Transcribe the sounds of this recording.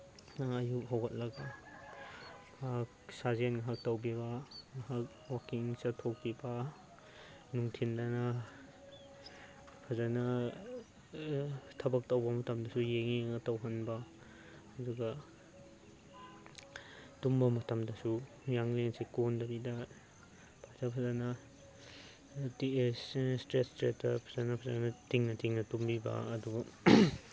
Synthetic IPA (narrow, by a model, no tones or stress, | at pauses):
ɐjup̚ɦawɡɐt̚lɐɡa | bʰaksazenŋaɦak̚tɐwbibɐŋaɦak̚wakiŋsɐtʰok̚bibɐ | nuŋtʰindɐnɐ | pʰazanɐ | tʰɐbɐk̚tɐwbɐmɐtʰɐmdɐsujeŋiŋɐtɐwɦɐnbɐː | duɡɐ | tumbɐmɐtɐmdɐsu | jaŋlensekondɐbidɐ | pʰazapʰɐzanɐ | tisstɾestɾesdɐpʰɐzanɐpʰɐzanɐtiŋnɐtʰiŋnɐtumbibɐ̰ːduɡɐ